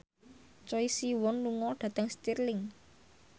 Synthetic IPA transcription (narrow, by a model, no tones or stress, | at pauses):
t͡ʃɔisiwɔnluŋɔɖ̥ä̤t̪əŋst̪irlɪŋ